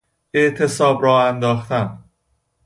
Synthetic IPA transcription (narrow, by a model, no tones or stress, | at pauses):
e̞ʔt̪ʰe̞sɒːbɾɒːænd̪ɒːxt̪æm